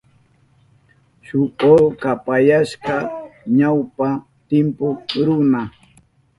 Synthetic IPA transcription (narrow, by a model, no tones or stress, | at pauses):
ʃʊʔolkapajaʃkaɲawpa | t̪ɪmpʊɾʊna